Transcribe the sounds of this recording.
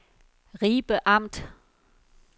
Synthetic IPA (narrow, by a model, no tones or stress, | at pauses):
ʁiːb̥əʔɑ̈m̰d̥